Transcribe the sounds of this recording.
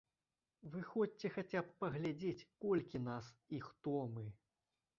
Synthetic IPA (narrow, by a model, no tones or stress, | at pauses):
vɨxɔt͡sʲɛxat͡sʲapːɐɣlʲad͡zʲet͡sʲkɔlʲkʲinasixt̪ɔmɨ